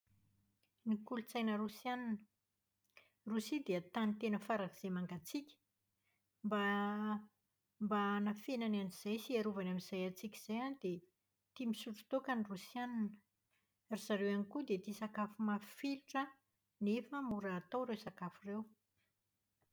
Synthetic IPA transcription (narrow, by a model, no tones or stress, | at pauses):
nikulut͡sajnəɾusjannə̥ | rusid̪eət̪anit̪enəfaɾakiz̥emaŋɡat͡sikʲə̥ | mba | mbanafenananiz̥ajsiaɾuvanamiz̥ajat͡sikʲiz̥ajanid̪e | t̪imisuʈ͡ʂu̥t̪okanirusjananə | riz̥aɾewanikud̪et̪isakafumafiluʈ͡ʂə | nefəmuɾaːt̪owɾewsakafirew